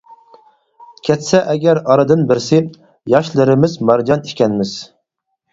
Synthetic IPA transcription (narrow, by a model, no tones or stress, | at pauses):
kʲʰɛt̪sɛʔɛɡʲɛɾɑɾɨd̪ɨnbɪɾsɪ | jɑʃlˠɨɾɪmɪzmɑɾd͡ʒɑniʃkʲɛnmɪz̥